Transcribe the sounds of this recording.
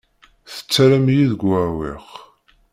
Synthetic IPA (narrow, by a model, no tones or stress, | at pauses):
θə̥t͡sːæɾæmjiðəɡʷawḭʁ